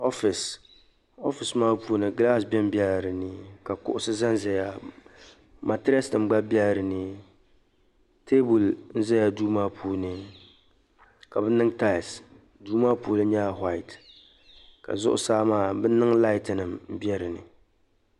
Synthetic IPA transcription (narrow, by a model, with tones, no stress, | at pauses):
ɔ˦fɪ˨s | o˦fɪ˨smaː˦pu˦o˦nɨ˨ɡla˦˨sbɛ˦m˦bɛ˦lɾɨ˨nɨ˨ka˨kʊ̰˨ʔʊ˨sɨ˦za˦n˦zɛ˨ja˦ | ma˨tɪ˦a˦snɨ˨mɡ͡ba˦bɛ˦lɾɨ˨nɨ˦ | tʰeː˦bu˨ln̩˦zɛ˦ja˦duː˦maː˦pʰuː˦nɨ˨ | ka˨bɛ˦nɨ˦ŋta˦˨s | duː˦maː˦puː˦lɨ˦ɲɛ˦a˨ɦwa˦˨ɪ˨t | ka̰˨zʊ˦ʔʊ̰˦saː˦maː˦bɛ˦n˦nɨ˦ŋla˦ɪ˦tɪ˨nɨ˨mm̩˨bjɛ˦ɾɨ˨nɨ̰˨